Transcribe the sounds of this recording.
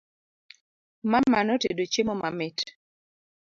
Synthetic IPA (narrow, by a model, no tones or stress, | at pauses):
mamanɔtedot͡ʃemomamɪt